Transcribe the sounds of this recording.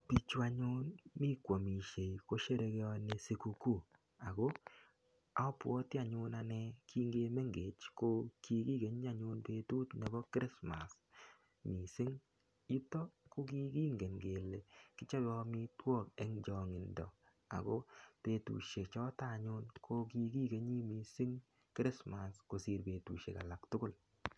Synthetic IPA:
pi˨t͡ʃu˦a˨ɲʊ˦nmɪ˦kʷo˨mi˨ʃe˨jko˦ʃe˦ɾe˧ɡe˦ɔ˧ne˨se˨ku˨ku˦˨ | a˨ɡo˦ | a̰˨ɔ˦pwɔ˦tɪ˦a˨ɲʊ˦na˨nɛ˧kʰi˦ŋɡe˦me˦ŋɡe˨t͡ʃko˦ki˦ki˦ɡe˨˦ɲ˦a˦˨ɲʊ˦npeː˦tu˦tne˨bɔ˦kɾɪ˦sma̰˨s | mi˨sɪ˦ŋ | ju˦tɔ˦ko˦ɡi˦ɡi˦ŋɡe˨nɡe˨le˨kɪ˦t͡ʃa˦bɔ˦mi˦twɔ˦˨k̚ɛ˦ŋd͡ʒɔ˨ŋɪ˨ndɔ̰˨ | a̰˨ɡo˦te˨˦tṵ˨ʃe˨kt͡ʃɔ˦ta˦˨ɲʊ˦nkʰo˦ki˦ɡi˦ɡe˨ɲi˦mi˨sɪ˦ŋ | kɾɪ˦sma˨sko˨si˨ɾbe˨tṵ˨ʃḛ˨ka̰˨la˨ktʊ˦kʊ˦˨l

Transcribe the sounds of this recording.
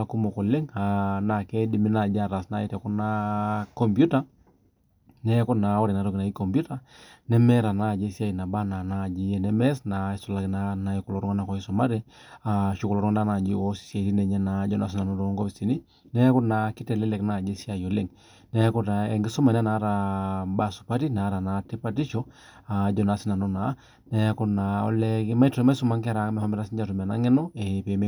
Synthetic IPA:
a˦ku˦mɔ˨kɔ˨lɪ˦ŋa˨na˨kɛ˦di˨mi˦na˨d͡ʒa˦ɾa˨sna˦i˦tɛ˨kɔ˦na˦kɔ˨mbju˦ta˦ | nɛ˦kɔ˦na˨ɔ˦ɾɛ˨na˨˦ɾɔ˦ki˨na˨i˦kɔ˨mbju˦ta˦ | nɛ˦mɛ˦ɾa˨na˦˨d͡ʒɛ˦sja˦i˨na˨ba˦na˨na˦˨d͡ʒi˦ɛ˨nɛ˦mɛ˦sna˨ɛ˦su˨la˨kna˦na˨i˨ku˨lɔ˨ɾu˦ŋa˦na˨kɔ˨i˦sɔ˨ma˦ɾɛ˦a˨ʃu˦kulɔ˨ɾɔ˦ŋ˦nda˦na˨d͡ʒi˦o˦si̥˨sja˨ti˦nɛ˨ɲɛ˦na˨d͡ʒɔ˦na˨s̬i˦na˨nɔ˦ɾɔ˨˦ŋɡɔ˦pi˨si˨ni˦ | nɛ˦kɔ˦na˨ki˦tɛ˨lɛ˦lɛ˨kna˦˨d͡ʒe˦sja˨jɔ˨le˦˨ŋ | nɛ˦kɔ˦ta˨ɛ˨ŋɡi˦sɔ˦ma˨na˦na˨˦ɾa˨ba˦˨su̥˨pa˦ti˦na˨˦ɾa˨na˨ti˦pa˦ti˦ʃɔ˦ | a˨d͡ʒɔ˦˨na˨˦si˦na˨nɔ˦na˨˦ | nɛ˦kɔ˦na˨ɔ̰˦lɛ˦kma˦i˦tma˦su˦ma˦ŋkɛ˦a˦ɾa˨˦mɛ˨hɔ˦mɛ˦ɾa˦si˦ɲd͡ʒa˨tu˨m˨a˨na˦ŋɛ˦nɔ˦ɛ˨pe˨˦me˦

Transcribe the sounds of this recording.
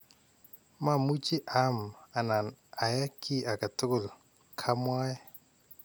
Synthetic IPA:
ma˦˨mu˦t͡ʃi˦ʔa˨˦ma˨na˨na˨ja˦kʰi˦ʔa˨ka˨tʊ˦kʊ˨l | kʰa˦mwaː˦jɛ˦

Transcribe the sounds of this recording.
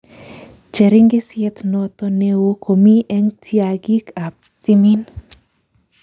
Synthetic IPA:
t͡ʃe˨ɾi˦ŋɡe˦sjɛtnɔ˨t̪ɔ˦ne˦wo˦kʰo˨mi˦ʔɛ˦ŋtʰi˦a˨ɡi˦ka˨p̚ | ti˦mi˦n

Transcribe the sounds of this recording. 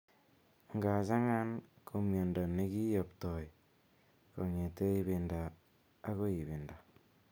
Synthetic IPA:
ŋɡa˨t͡ʃa˦ŋa˦nkʰo˨mjo˨ndo˨ne˦ki˦jo˨pto˨i˨ | ko˨ŋe˨te˦i˦βi˨ndaː˨˦ | ɣo˦i˨βi˨nda˨

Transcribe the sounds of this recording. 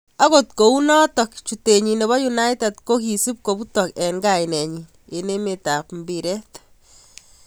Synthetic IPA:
a˦ɣo˨tko˨u˦nɔ˦tɔ˨kt͡ʃu˨te˨ɲi˨ne˨βɔ˦ju˨na˦jte˨t̪ko˦ki˨si˦p̚ko˨bu˦tɔ˨kɛ˨ŋɡajnɛ˨ɲi | e˨ne˦me˨ta˨pmbiɾɛ˦t̪

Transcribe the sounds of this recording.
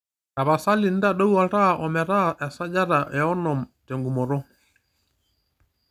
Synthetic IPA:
a˨βa˨sa˦li˨n̩˦da˦ɗɔ˦u˦a˨ɾa˦ʔɔ˨mɛ˨ɾa˦ʔɛ˨sa˦d͡ʒa˦ɾa˨ʔɛ˨ɔ˦nɔ˨mtɛ˨ŋɡu˨mɔ˨ɾɔ˦

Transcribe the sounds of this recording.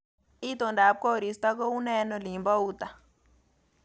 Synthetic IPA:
i˦t̪ɔ˨nda˨˦p̚kɔ˦˨ɾi˨st̪a˦k̬ɔ˦u˦nɛ˦nɔ˨li˨mba˦u˦t̪a˨

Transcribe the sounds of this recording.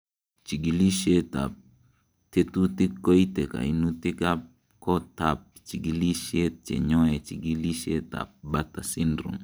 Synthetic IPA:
t͡ʃi˨ɡi˨li˦ʃe˦ta̰˨p̚ | te˦tu˦ti˦kːo˦i˦te˨ka̰˨i˨nu˦ti˦ka˦p̚ | kɔ˦tap̚t͡ʃi˨ɡi˨li˦ʃe˦t̚t͡ʃḛ˨ɲɔ˦ɛ˨t͡ʃi˨ɡi˦li˦ʃe˦ta̰˨p̚bata˨si˦ndɾṵ˨ŋ

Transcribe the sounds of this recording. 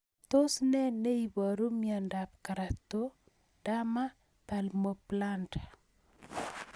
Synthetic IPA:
t̪o˦snɛ˦ne˦i˨bɔ˨ɾu˦mia˨nda˨pka˨ɾa˨t̪o˦ | d̥a˦ma˦ | pa˨lmo˨plantḁ˨

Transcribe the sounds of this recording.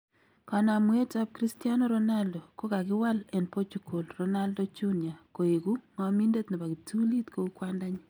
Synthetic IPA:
ka˨na˨mwe˦ta˦p̚kɾi˦sti˦a˦no˦ɾo˦na˦ldo˨ko˦ka˨kɪ˦wa˦lɛ˨npo˦t͡ʃuko˨lro˦na˦ldɔ˦t͡ʃu˦nja˨ko˨e˨ku˦ŋɔ˦mi˦nde˦t̪nɪ˨ba˨ki˨tu˦li˦t̪ko˦u˦kwanda˦ɲi˦

